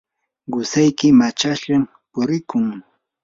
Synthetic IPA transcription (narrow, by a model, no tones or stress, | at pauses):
ɢʊsajkɪmat͡ʃaʃʎam | pʊɾɪkʊŋ